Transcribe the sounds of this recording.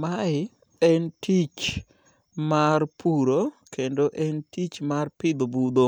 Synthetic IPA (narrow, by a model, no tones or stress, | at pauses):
maɪ | ɛntit͡ʃ | marpʰuɾokendoʔɛntit͡ʃmarpɪd̪obud̪o